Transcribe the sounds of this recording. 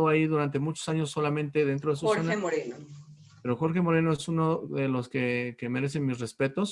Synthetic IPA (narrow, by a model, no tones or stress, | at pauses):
oaiðuɾant̪e̞mut͡ʃo̥saɲosːo̞lamẽ̞nt̪e̞ðe̞nt̪ɾo̞ðes̬uanaoɾeno | peɾo̞xo̞ɾxe̞mo̞ɾe̞no̞esunoðe̞lo̞ske̞keme̞ɾe̞s̬e̞nmisre̞spe̞t̪o̞s